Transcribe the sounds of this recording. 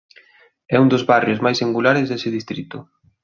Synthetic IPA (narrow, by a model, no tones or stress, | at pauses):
ɛund̪ʊzβarjʊzmajsiŋɡulaɾɪzðesɪðist̪ɾit̪ʊ